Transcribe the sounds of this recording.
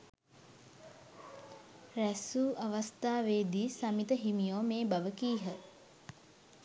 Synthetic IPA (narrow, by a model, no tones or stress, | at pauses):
ræsuːʔaʋast̪aːʋeːd̪iːsamit̪əɦimijoːmeːbaʋəkiːɦə